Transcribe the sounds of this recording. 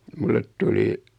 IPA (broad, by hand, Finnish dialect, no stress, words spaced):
mulːet tuli